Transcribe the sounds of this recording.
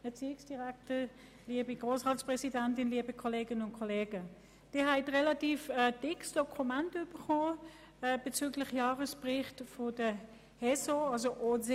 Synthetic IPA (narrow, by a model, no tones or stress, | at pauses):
ɛɐt͡siːɪksd̥iʁɛktə | liːəbiɡʁoːsʁaːtspʁɛsidɛntɪnliəbəkʰɔleːɡənʊntkʰoleːɡə | d̥iɐɦɛɪtʁɛlatiːfɛd̥ɪksd̥ɔkʰumɛntyːb̥əχoː | b̥et͡syːɡlɪχjaːʁəspʁɪχtfodə | hɛsoɑlzoʔoz